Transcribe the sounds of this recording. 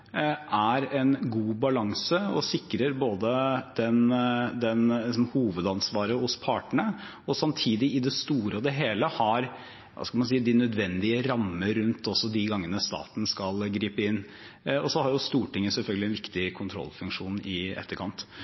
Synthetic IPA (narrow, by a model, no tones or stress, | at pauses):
ʔæɾɛnɡuːbɑlɑŋsəɔsɪkːɾəɾboːd̪əd̪̥ɛnd̪ɛnɪs̬ɔmhuːʋəd̪ɑnsʋɑːɾəhʊspʰɑʈəɳə | ɔsɑmt̪ʰiːd̪ɪʔɪd̪ɛst̪uːɾəɔd̪ɛɦeːləhɑɾ | ʋɑ̰skɑlmɑnsiːd̪ɪnœd̪ʋɛnd̪ɪəɾɑmːəɾʉnt̪ɔsːɔd̪ɪɡɑŋːənəst̪ɑ̰ːt̪n̩skɑlɡɾiːpəɪnː | ɔsɔhɑɾjʊst̪uːʈɪŋːəsɛlfœɡlɪɛnʋɪkt̪ɪkʰʊnt̪ʰɾɔ̰lfʉŋkʂuːnɪɛ̰t̪ːəɾkʰɑnt̪